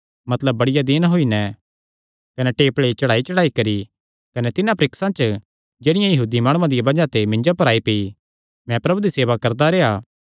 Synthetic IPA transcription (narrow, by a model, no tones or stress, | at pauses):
mɐt̪ləbːɐɽɪjad̪ɪnɦoinɛ̃ | kɐnɛʈeːpɭeit͡ʃɐɽaːit͡ʃɐɽaːikɐɾi | kɐnɛt̪ɪnãpɾɪksãt͡ʃə | d͡ʒeːɽɪjãjɐɦuːd̪imaːɽ̃ũãd̪ɪjabɐd͡ʒãt̪emɪ̃ɲd͡ʒopɐɾaːipei | mɛ̃pɾɐbud̪iseːʋakɐɾd̪aɾeːaː